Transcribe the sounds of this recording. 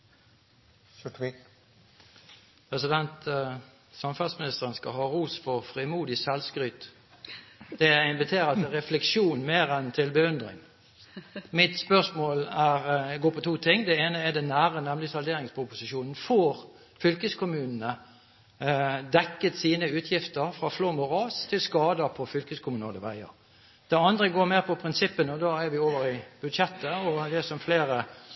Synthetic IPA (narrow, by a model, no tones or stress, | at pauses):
pʰʁɛsɪd̪ɛnt̪ | sɑmfɑsmɪnɪst̪əʁənskɑhɑːʁuːsfɔʁfʁɪmuːd̪ɪsɛlskʁyːt̪ | d̪̥ɛæɪnʋɪt̪ʰeːʁət̪əʁɛflɛkʃuːnmeːʁɛnt̪ʰɪlbəʉnd̪ʁɪ̰ŋ | mɪt̪spœʁsmoːlæʁɡoːpɔt̪ʰuːt̪ʰɪŋːd̪ɛeːnəɛd̪ɛnːæːʁənɛmlɪsɑld̪eːɾɪŋspʰʊpʊsɪʃuːnn̩foːʁ | fʏlkəskʊmʉːnnə | d̪ɛkːət̪siːnəʉːt̪ʰjɪft̪əʁfʁɑːfloːmʊʁɑːst̪ʰɪlskɑːd̪əpʰɔfʏlkəskʰʊmʉːnəd̪ɛʋæ̰ɪə̰ʁ | d̪̥ɛɑnd̪ʁəɡoːɾmeːʁpʰɔpʰɾɪnsɪpːənəɔd̪ɑːæɾʋɪoːʋəɾɪb̥ʉd̪ʂɛt̪ːəɔd̪ɛsɔmfleːɾə